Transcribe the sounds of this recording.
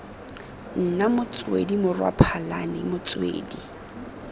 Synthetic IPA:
n̩namʊt͡sʼwḛdimʊrwa̰pʰalanɪmʊt͡sʼwḛːdi

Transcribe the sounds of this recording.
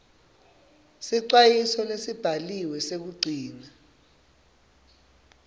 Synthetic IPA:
siǀwajisɔlesib̥ʱaliwɛsek̬uɡ͡ǀʱiːna

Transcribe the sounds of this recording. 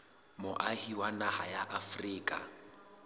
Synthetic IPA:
mʊʔahiwanahajaʔafriːkʼa̰

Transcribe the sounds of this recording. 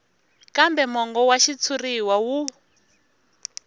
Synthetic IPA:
kambɛmɔŋɡɔwaʃit͡sʰuriwawu

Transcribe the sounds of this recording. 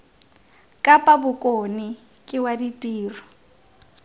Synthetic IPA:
kʼapʼabʊkʼonɪ | kʼɪwaditʼiːrɔ

